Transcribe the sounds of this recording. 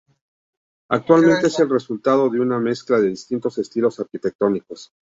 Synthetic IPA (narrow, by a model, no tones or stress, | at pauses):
a̰k̚t̪walment̪eeselre̞sult̪að̞o̞ðe̞uname̞sklaðe̞ðist̪int̪o̞se̞st̪ilo̞saɾkit̪e̞k̚t̪o̞niko̞s